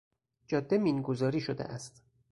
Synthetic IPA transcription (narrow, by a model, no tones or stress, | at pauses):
d͡ʒɒːd̪ːe̞miːnɡozɒːɾiːʃod̪ḛʔæst̪